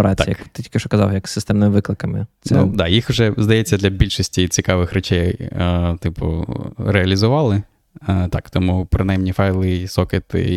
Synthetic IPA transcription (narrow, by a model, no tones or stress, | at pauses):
ɾat̪ʲːjɐkt̪ɪtʲi̥kʲɪʃɔkɐzɑ̰wjɐksɪst̪ɛmnɪmɪʋɪklˠɪkɐmɪ̰snɛud̪ɑjixʊʒɛzd̪ɐjɛt͡sʲːɐd̪lʲɐbʲilʲʃisʲtʲit͡sʲikɑʋɪxɾɔt͡ʃɛj | t̪ɪpʊ̰ɾeɐlʲizʊʋɑlˠɪ | t̪ɑkt̪ɔmupɾɔnɑjmnʲifɑjlˠɪsɔkɪt̪ɪ̰